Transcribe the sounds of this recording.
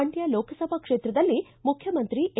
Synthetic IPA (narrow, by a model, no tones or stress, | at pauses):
ɐɳʈjɐloːkɐsɐbʱɐkʂeːt̪ɾɐd̪ɐlːi | mukʰjɐmɐnt̪ɾiʔe